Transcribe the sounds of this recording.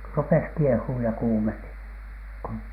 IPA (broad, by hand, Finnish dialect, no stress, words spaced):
rupes kiehuːj jɑ kuːmeni ku